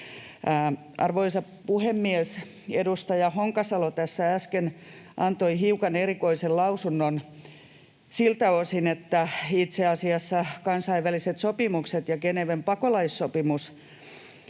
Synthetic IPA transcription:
ʔɑ̰rʋoisɑ | puhemːies | edust̪ɑjɑhoŋkɑsɑlot̪æsːææskenʔɑnt̪oihiukɑneɾikoisellɑusunːon | silt̪ɑosinet̪ːæit̪seɑsiɑsːɑkɑnsɑiʋʋæliset̪sopimukset̪jɑkeneʋempɑkolɑisːopimus

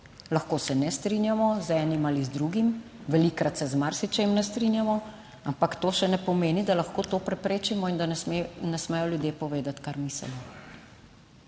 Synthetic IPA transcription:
laxkoːsɛnɛst̪ɾinjamɔzɛːnimalizd̪ɾuɡim | ʋɛlikɾat̪sɛzmaɾsit͡ʃɛimnɛst̪ɾinjamɔ | ampakt̪oːʃɛnɛpɔmeːnid̪alaxkoːt̪oːpɾɛpɾeːt͡ʃimɔind̪anɛsmɛjɔljud̪jeːpɔʋeːd̪at̪kaɾmisɛ̰li

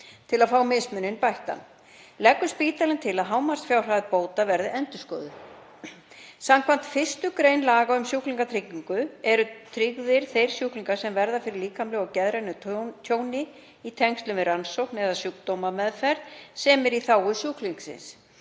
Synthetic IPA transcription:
t̪ʰɪlaðfaːwmɪsmʏnːɪnpajht̪a̰n | lɛkːʏspiːt̪alɪnt̪ʰɪlaðɦaːwmar̥st̪fjaːwr̥aðpoːwt̪avɛɾðɪɛnt̪ʏskɔːðʏ | samkʰvan̥t̪fɪst̪ʏkɾejnlaːɣaʏmsjuːhkliŋkat̪ʰɾɪkːiŋkʏɛɾʏt̪ʰɾiɣðɪɾ̥θejɾ̥sjuːhkliŋkaɾ̥sɛmvɛɾðafɪɾɪɾliːkamlʏɣacɛðɾenʏt̪ʰjoːwnɪ | it̪ʰɛŋst̪lʏvɪransowknɛðasjukt̪owmamɛðfɛɾðsɛːmɪɾiθaːwʏsjukliŋksɪ̰ns

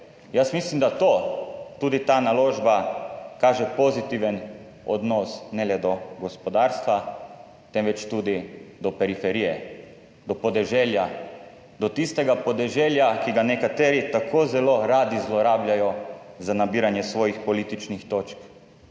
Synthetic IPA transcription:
jasmislimd̪at̪oːt̪uːd̪it̪analoːʒbakaːʒɛpozit̪iʋən | ɔ̰d̪nɔsnɛlɛd̪ɔɡɔspɔd̪aːɾst̪ʋa | t̪ɛnʋɛt͡ʃt̪uːd̪id̪ɔpɛɾifɛɾijɛ | d̪ɔpɔd̪ɛʒɛlja | d̪ɔt̪ist̪ɛɡapɔd̪ɛʒɛljakiɡanɛkat̪ɛːɾit̪akʰoːzɛloɾaːd̪izlɔɾaːblʲjajɔzanabiːɾanjɛsʋɔːjixpɔliːt̪it͡ʃnixt̪oːt͡ʃk

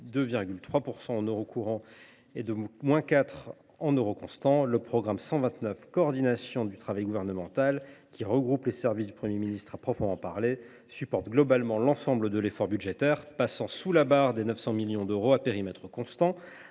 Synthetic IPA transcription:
d̪øviʁɡʲylt̪χwapuʁsɑ̃ɑ̃nøʁokʰuʁɑ̃ | ed̪əmwɛ̃kat̪χ | ɑ̃nøʁokɔ̃st̪ɑ̃ləpχɔɡʁamsɑ̃vɛ̃t̪nœfkɔːʁd̪inasjɔ̃d̪yt̪χavajɡuvɛʁnəmɑ̃t̪alkʲʰiʁəɡʁuplesɛʁvisd̪ypχəmjeminist̪χapχɔpχəmɑ̃paʁle | sypɔʁt̪ɡlɔbalmɑ̃lɑ̃sɑ̃bləd̪əlefɔʁbyʒet̪ɛʁpasɑ̃sulabaʁd̪enœfsɑ̃miljɔ̃d̪øʁoapeʁimɛt̪χəkɔ̃st̪ɑ̃

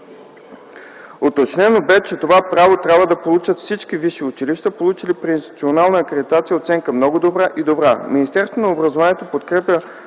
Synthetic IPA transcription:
ot̪ot͡ʃnɛnobɛt͡ʃɛt̪ovapɾavot̪ɾʲjabvəd̪ɐpolˠut͡ʃət̪fsit͡ʃk̟iviʃiʊt͡ʃiliʃt̪əpolˠut͡ʃilipɾiinst̪it̪sionalˠnəːkɾed̪it̪at̪sijəot̪sɛŋkəmnɔɡod̪obɾaʔid̪obɾaminʲist̪ɛɾst̪vonɐobɾɐzovaniɛt̪opot̪kɾɛpʲjə

